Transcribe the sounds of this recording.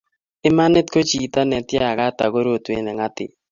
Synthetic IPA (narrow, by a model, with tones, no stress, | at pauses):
ɪ˦ma˦nɪ˦t̚ko˦t͡ʃi˨ta˦nɛ˨tja˦a˨ɣa˦ta̰˨ɣo˦ɾo˦˨te˦nɛ˨ŋa˦tɪ̰˨